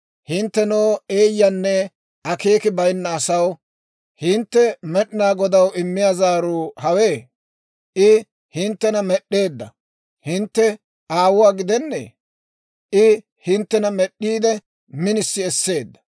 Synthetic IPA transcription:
hɪnt̪ːɛnoːe̞ːjːɐnːɛ | ɐke̞ːkɪbɐjnːɐːsɐw | hɪnt̪ːɛmɛɗɪnaːɡɔd̪ɐwɪmːɪjaːzaːɾuːhɐweː | ʔɪ | hɪnt̪ːɛnɐmɛɗːe̞ːd̪ːɐ̰ | hɪnt̪ːɛ | ʔaːwʊwaːɡɪd̪ɛnːḛː | ʔɪ | hɪnt̪ːɛnɐmɛɗːiːd̪ɛ | mɪnɪsːɪɛsːe̞ːd̪ːɐ̥

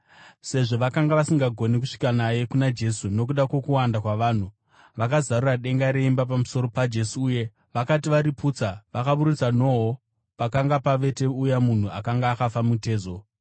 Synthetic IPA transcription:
se̞ʐo̞ʋakaŋɡaʋasiŋɡaɡʱo̞nikuʂi̥kanaje̞kunad͡ʒe̞suno̞k̬uɗakwo̞kuwandakwaʋaːn̤u | ʋakazaruraɗe̞ŋɡaɾe̞imbapamuso̞ɾo̞pad͡ʒe̞suːje̞ | ʋakatiʋaɾipuːt͡saʋakaɓuɾut͡sano̞ɦo | pakaŋɡapaʋe̞te̞ujamun̤uakaŋɡaːkafamute̞ːzo̞

